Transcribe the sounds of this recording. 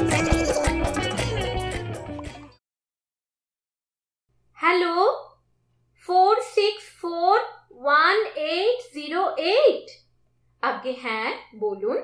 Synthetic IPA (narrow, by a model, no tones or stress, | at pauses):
hɛloː | foːɾsɪksfoːɾ | ʋɐneːʈziːɾoːʔeːʈ | ɐb̚keɦɛ̃boːlũn